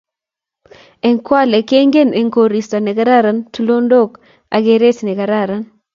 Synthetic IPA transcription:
ɛ˨ŋkwa˦le˨ke˦ŋɡe˦˨ne˨ŋko˨ɾi˨sta˨nɪ˨ka˦ɾa˦ɾa˨ntu˦lo˦ndo˦˨k | a˨ɡe˦ɾe˦snɪ˨ka˨ɾa˦˨ɾa˨n

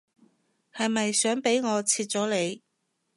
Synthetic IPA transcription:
hɐ˨jmɐ˨jsœː˨˥ŋpe˨˥jŋɔː˨˧t͡sʰiː˧t̚t͡sɔː˨˥le˨˧j

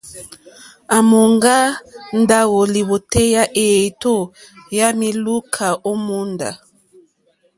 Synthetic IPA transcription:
a˨mo˨ŋɡa˦n˦da˦ɣɔ˨li˨βo˨tɛ˦ja˦ʔe˨to˦˨ja˦mi˦lu˦kʰa˨ʔo˦mu˦nda̰˨

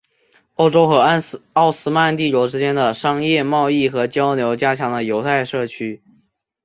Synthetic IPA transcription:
o˥˩ʊʈ͡ʂo˥ʊxɤ˧˥ɑ˥˩ʊsɹ̩˥ma˥˧nt̪i˥˩lwɔ˧˥ʊʈ͡ʂɻ̩˥t͡ɕjɛ˥nd̪ə˨ʂɑ˥ŋjɛ˥˧mɑ˥˧ʊi˥˩xɤ˧˥t͡ɕjɑ˥ʊnjo˧˥ʊt͡ɕja˥t͡ɕʰjɑ˧˥ŋd̪ə˧jo˧˥ʊt̪ʰa˥˧ɪʂɤ˥˩t͡ɕʰy˥

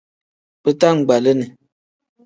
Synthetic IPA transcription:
pə˦ta˦˨ŋ̩˨ɡ͡ba˨lə˦nə˨

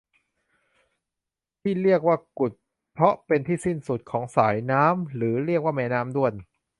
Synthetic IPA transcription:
t̪ʰiː˥˩ɾi˥˩ək̚waː˥˩ku˨˩t̪̚ | pʰɾɔ˦˥ʔpe˧nt̪ʰiː˥˩si˥˩nsu˨˩t̪̚kʰɔː˩˦ŋsaː˩˦jnaː˦˥mɾɯː˩˦ɾi˥˩ək̚waː˥˩mɛː˦˧˥naː˦˥md̪u˥˩əjn

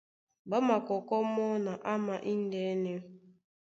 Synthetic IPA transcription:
ɡ͡ba˦ma˨kɔ˨kɔ˦m˦ʊ˦na˨ʔa˦ma˨ʔi˦n̩˦de˦ne˦m˦

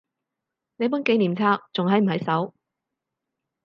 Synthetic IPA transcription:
ne˨˧jpu˨˥nke˨˧jniː˨˩mt͡sʰaː˧k̚t͡sʊ˨ŋɦɐ˨˥jm̩˨˩hɐ˨˧˥jsɐ˨˥w

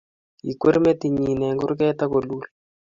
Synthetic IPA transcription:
i˨kwe˦ɾmɛ˦ti˨ɲi˨nɛ˨ŋɡʊ˦ɾk̬ɛ˦ta˦ko˨lu˦l

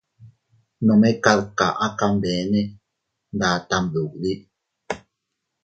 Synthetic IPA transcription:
nõ˨me˦ka˧ɾka̰˨ʔa˦ka˧mde˨˦ne˦ | nd̪aː˨˦t̪a˧˨mðu˨kd̪i˦ʔ

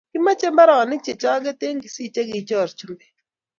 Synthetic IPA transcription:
ɡɪ˦ma˦t͡ʃe˦mba˦ɾɔ˨ɔ˨nɪ˦t͡ʃe˨t͡ʃa˦ɡɛ˦t̪e˦ŋɡi˨si˦˨t͡ʃe˦ɡɪ˨t͡ʃɔ˦˨ɾt͡ʃu˦mbe˨

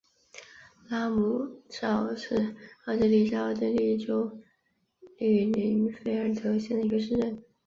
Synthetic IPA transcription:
la˥mu˧˩ʂɑ˥˩ʊʂɻ̩˥˧ɑ˥˩ʊʈ͡ʂɤ˥˧˥li˥˧ʂɑ˥˧ɑ˥ʊʈ͡ʂə˥˧li˥˧˩ʈ͡ʂo˥ʊ | ly˨˩li˧˥nfe˥ɪə˞˥˧˩t̪ʰɤ˧˥ɕjɛ˥˩nd̪ə˩i˧˥ɡə˧ʂ̬ɻ̩˥˧ʈ͡ʂə˥˩n

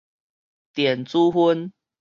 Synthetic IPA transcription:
t̪jɛ˨˩nt͡su˦ɦu˦n

